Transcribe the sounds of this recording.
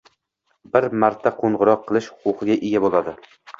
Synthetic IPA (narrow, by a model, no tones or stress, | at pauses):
bɪɾmaɾt̪ʰaqʰoɴʁʊɾɒqʰːɨlˠɪʃhʊ̥qʰʊqɨɡʲaʔeɡʲabolˠad̪ɪ